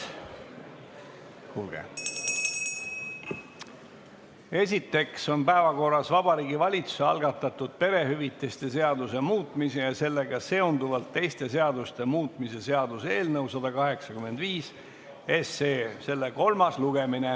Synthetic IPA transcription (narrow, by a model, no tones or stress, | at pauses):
hulɡ̥ḛ | e̞sʲit̪ːˑe̞kso̞npæevɑko̞rːˑɑsvɑbɑɾiːɡivɑlʲit̪su̥seɑ̰lɡ̥ɑt̪ːˑɑt̪ːˑud̪̥̚pe̞ɾe̞ɦyvit̪ːˑest̪e̞se̞ɑd̪use̞muːt̪ˑmisejɑse̞lːe̞ɡɑse̞o̞nd̪uvɑlt̪ːe̞jst̪e̞s̬e̞ɑd̪ust̪e̞muːt̪ˑmise̞se̞ɑd̪use̞ːlnəwsɑd̪̥ɑkɑɦe̞ksɑkyme̞nd̪viːs | e̞seːse̞lːe̞ko̞lmɑsluɡ̥emine